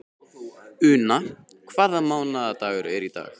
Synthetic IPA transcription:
ʏːna | kʰvaːðamaːwnaðat̪aːɣʏɾɛɾit̪a̰ːx

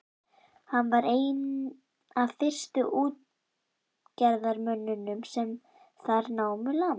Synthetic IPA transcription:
hanːvaɾeːjn | aðfɪr̥st̪ʏʔuːt̪̚ | cɛɾðaɾmœnːʏnʏmsɛm | θaɾnaːwmʏla

